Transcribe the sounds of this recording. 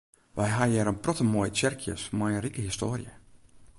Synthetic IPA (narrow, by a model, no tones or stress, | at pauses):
ʋɛjɦajɛɾənprɔtəmojt͡ʃɛrkʰjə̰smajənrikəhistoːrjə̰